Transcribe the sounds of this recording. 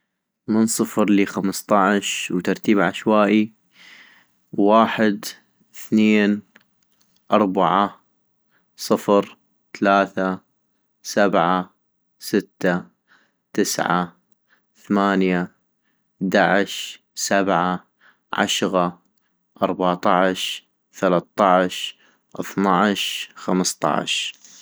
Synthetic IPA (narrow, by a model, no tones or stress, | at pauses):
mənsˤɨfɾliːxamst̪ˤɑʕʃwt̪ɑɾˤt̪iːbʕaʃwaːʔi | waːħɪd̪ | θneːn | ʔɑɾˤbaʕa | sˤɨfɾ | θalaːθa | sabʕa | sɪt̪ːa | t̪ɪsʕa̰ | θamaːnja | d̪aʕɪʃ | sabʕa | ʕa̰ʃɣa | ʔɑɾˤbaʕt̪ˤɑʕʃ | θalat̪ˤːɑʕʃ | ʔɨθnɑʕʃxamst̪ˤɑ̰ʕ̰ʃ